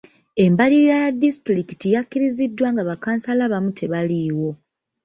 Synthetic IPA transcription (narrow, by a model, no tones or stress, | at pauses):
e̞mbalijajadːistɾikitijakːiɾizidːwaːŋɡaβakaːnsalaβamutʰe̞βaliːwo̞